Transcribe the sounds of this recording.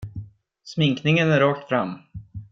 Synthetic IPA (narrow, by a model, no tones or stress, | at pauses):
smɪŋknɪŋənæɾɑːk̚t̪fɾamː